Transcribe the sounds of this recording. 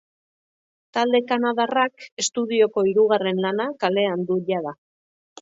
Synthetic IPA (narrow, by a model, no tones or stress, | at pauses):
t̪ald̪e̞kanaðarake̞st̪uðio̞ko̞iɾuɣare̞nlanakale̞and̪uʎaða